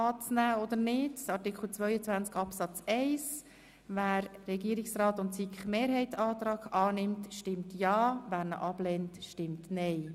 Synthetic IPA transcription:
ɑːt͡snæːɔd̪ənɪdsɑɾtɪkʰl̩t͡sʋœʏət͡sʋænt͡skɑpsɑt͡sɛɪs | væːɾːɛɡiəɾɪksɾɑːtʊntsikχmeːɾɦɛɪtɑːt̪ɾɑːɡɑːnɪmtʃtɪmtjɑːvæːɾnə̰ʔɑb̥lɛntʃtɪmtnɛɪ

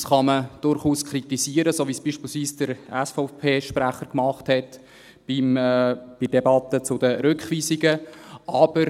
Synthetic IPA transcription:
sχɑməd̥ʊɾχuːskritiziːəɾəsoːvisb̥iːʃpiːlsviːsd̥əɾɛsfɔʊpʰeːʃpræχəɾkmɑχthɛt | b̥imb̥ɪd̥ebɑt̪ət͡sʊdəɾʏkχʋiːziɡəʔɑb̥əɾ

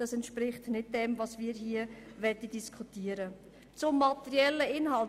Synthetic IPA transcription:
d̥ɑsɛntʃpɾɪχtnɪd̚dɛmvɑsviːɾɦiːəvɛdədiskʰutiəɾə | t͡sʊmːɑt̪ɛɾjɛlːəɪnhɑl

